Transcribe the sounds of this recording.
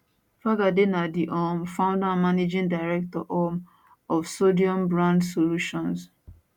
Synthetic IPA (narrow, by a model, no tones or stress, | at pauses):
faɡadenadiʔɔmfãʊ̃ndamaned͡ʒɪ̃ndaɪɾɛk̚tɔʔɔm | ɔfsodiɔ̃mbɹãndsoluʃɔ̃ns